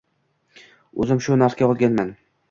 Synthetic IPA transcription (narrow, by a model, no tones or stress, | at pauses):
ɵ̰zɪmʃʊnaɾskʲaɒlˠɡʲanman